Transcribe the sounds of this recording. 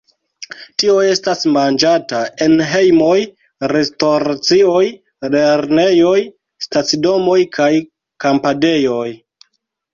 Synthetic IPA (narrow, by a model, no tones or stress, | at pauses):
tio̞e̞stasmand͡ʒatae̞nɦe̞jmo̞j | ɾe̞sto̞ɾat͡sio̞j | le̞ɾne̞jo̞j | stat͡sido̞mo̞jkʰaj | kampade̞jo̞j